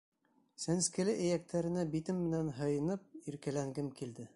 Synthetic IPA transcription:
sænskɘ̆lɘʔɘ̆jæk̚t̪ʰæɾɘ̆næbit̪ɘmːɘ̆nænɦɤ̆jɤ̆nɤp̚iɾkælæŋɡɘmkild̪ɘ

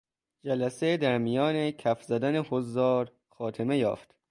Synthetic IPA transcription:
d͡ʒælæsed̪æɾmijɒːnekʰæfzæd̪ænehozːɒːɾ | xɒːt̪ʰeme̞jɒ̰ːft̪

